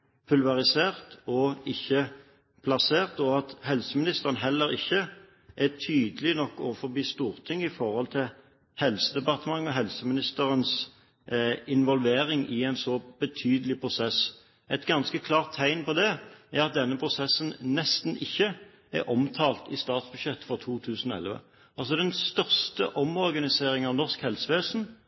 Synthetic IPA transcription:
pʰʉlʋɑʁɪseːʁt̪ɔɪçːə | pʰlɑseːʁt̪ɔɑt̪hɛlsəmɪnɪst̪əʁənəɦɛlːəɾɪ̰çːə | ʔɛt̪ʰyːd̪əlɪnɔkːɔfɔɾbiːst̪uːʁt̪ʰɪŋːəɪfɔʁhɔlt̪ʰɪl | hɛlsəd̪ɛpɑʁt̪əmɑŋːɔɦɛlsəmɪnɪst̪əʁəns | ɪnʋɔlʋeːɾɪŋʔɪæɛɪnsɔb̥ət̪ʰyːd̪əlɪpʰɾʊsɛs | ɛt̪ɡɑnskəkʰlɑːʁt̪ʰːæɪnpɔd̪ɛæʁɑt̪̚d̪ɛnːəpʰʁʊsɛsːənnɛst̪n̩ɪçːə | ɛ̰ɾʔɔmt̪ʰɑːlt̪ɪst̪ɑːt̪sbʉʃjɛt̪ːfɔʁt̪ʰuːt̪ʰʉːsn̩ɔɛ̰lʋə̰ | ɑlsɔd̪ɛnst̪œʁst̪əʔɔmɔʁɡɑnɪseːɾɪŋɑʋnɔʁskhɛlsəʋeːsn̩

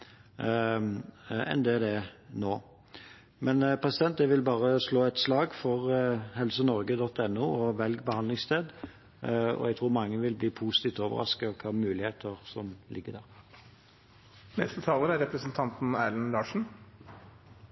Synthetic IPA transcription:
ɛ̰nd̪ɛːd̪ɛnoː | mɛnpʰɾɛsɪd̪ɛnt̪̚d̪ɛʋɪlbɑːʁəsloːɛt̪slɑːɡfɔʁɦɛlsənɔɾɡəd̪ɔt̪ːɛnːuːɔʋɛlɡbəhɑnd̪lɪŋst̪ʰeːd̪ | ɔ̰ɛɡt̪ʰɾuːʁmɑŋːəʋɪlbliːpʰusɪt̪iːft̪oːʋə̰ɾɑ̰skəɔkʰɑːmʉːlɪheːt̪ʰəʁsɔmlʔɪɡːəd̪æʁ | nɛst̪ət̪ʰɑːləɾæɾɛpɾəsənt̪ʰɑnt̪n̩æːlənlɑːʂɳ̩

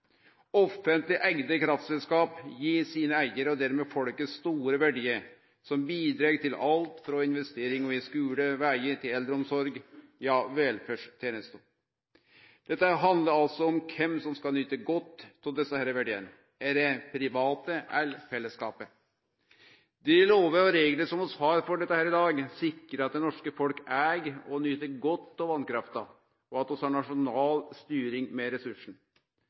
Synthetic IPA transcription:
ɔfənt̪lɪʔæɪɡnəkʰɾɑft̪sɛlskɑːpjiːsiːnəæɪəɾɔd̪æɾmɛːfɔlkəsst̪uːɾəʋæɖiːəɾ | sɔmbiːd̪ɾeːɡt̪ʰɪlɑlt̪fɾɔɪnʋɛst̪eːɾɪŋɔɪskʉːləʋæɪət̪ʰɪlɛld̪ɾəɔmsɔɾɡjɑːʋɛlfœʂt̪ʰeːnəst̪uː | d̪̥ɛt̪ːəɦɑnd̪ləɾɑlsɔɔmkʰɛmsɔmskɑlnyːt̪əɡɔt̪ʰːɪld̪ɛsːəhæːɾəʋæɖeːə̰n | æːɾɛpʰɾɪʋɑːt̪əælfɛlːəskɑːpə | d̪ɛɪloːʋəɾɔɾeːɡləsɔmɔshɑːɾfɔɖɛt̪ːəhæːɾɪd̪ɑːɡsɪkːɾəɑt̪̚d̪ɛnɔʂkəfɔlkæːɡɔnyt̪əɡɔt̪ːɔʋɑnkɾɑft̪ɑ | ɔɑt̪ɔshɑɳɑʂʊnɑːlst̪yːɾɪŋmɛɾɛsʉʂn̩

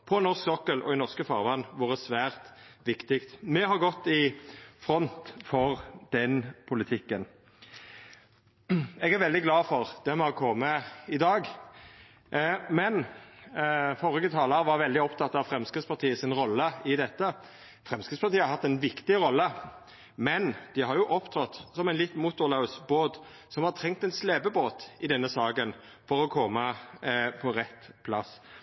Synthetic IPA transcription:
pʰɔnɔʁsksɔkəlʔɔ̰ɪnɔʁskəfɑːʁʋɑnːʋʊːʁəsʋæːʁt̪ʋɪkt̪ɪkt̪mɛɦɑʁɡɔt̪ːɪfɾɔnt̪fɔʁd̪̥ɛnpʰʊlɪt̪ʰɪkːən | ɛɡæʁʋɛld̪ɪɡlɑːfɔʁd̪̥ɛmɛhɑkʰɔmːəɪd̪ɑːɡ | mɛn | fɔɾɪɡət̪ʰɑːləɾəʋɑɾʋɛld̪ɪɔpt̪ʰɑt̪ːɑʋfɾɛmskəspɑʁt̪ʰiːəsɪnɾɔlːəɪd̪ɛt̪ːə | fɾɛmskəspɑʁt̪iːəhɑɾɦɑt̪ːɛnʋɪkt̪ɪɾɔlːə | mɛnd̪̥ɪhɑɾjʊʔɔpt̪ʰɾɔt̪ːsɔmæɛɪnlɪt̪ːmʊt̪ːʊlɑʉsboːt̪ | sɔmhɑɾt̪ʰɾɛŋk̚t̪ɛɪnsleːbəboːt̪ɪd̪ɛnːəsɑːɡən | fɔɾɔkʰɔmə | pʰɔɾɛt̪ːpʰlɑ̰s

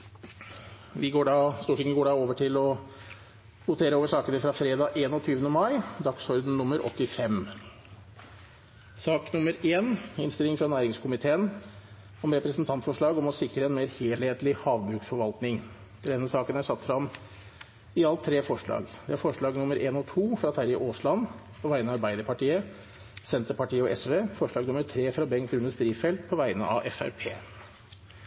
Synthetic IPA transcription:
ʋɪɡoːɖɑːst̪uːʈɪŋəɡoːɖɑːoːʋəʈʰɪlɔ | hʊt̪ʰeːɾəoːʋəʂɑːkənəfɾɑfɾeːd̪ɑːʔeːnɔt̪ʰyːʋənəmɑɪd̪ɑksɔɾd̪n̩nʊmːəɾʔɔ̰t̪ːɪfɛm | sɑːknʊməɾeːnɪnst̪ɪlɪŋfɾɑnæːɾɪŋskʰʊmɪt̪ʰeːən | ɔmɾɛpɾəsnt̪ʰɑnt̪fɔʂɭɑːɡɔmɔsɪkɾəɛnmeːɾheːlheːt̪lɪhɑːʋbɾʉːksfɔɾʋɑlt̪nɪŋ | ɾɛnːəsɑːkənæʂɑt̪ːfɾɑm | ɪɑlt̪ʰːɾeːfɔʂɭɑ̰ːɡd̪ɛæɾfɔʂɭɑːɡnʊməɾʔeːnɔt̪ʰuːfɾɑt̪ʰæɾɪʔoːslɑn | pʰɔʋæɪənɑɑɾbæɪd̪əɾpɑʈiːə | sɛnt̪əpɑʈiːəɔʔɛsʋeːfɔʂɭɑːɡnʊməɾʈʰɾeːfɾɑbɛŋkt̪ʉnd̪əst̪ɾiːfɛlt̪̚pʰɔʋæɪənə̰ɑ̰ʋʔɛ̰fæ̰ɾpʰḛː

